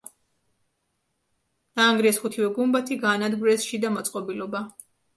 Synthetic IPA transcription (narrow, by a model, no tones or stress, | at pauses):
d̪̥aːŋɡɾiɛsχut̪ʰivɛɡumbat̪ʰiɡaːnad̪ɡɾɛsʃid̪amɔt̪sʼqʼɔbilɔba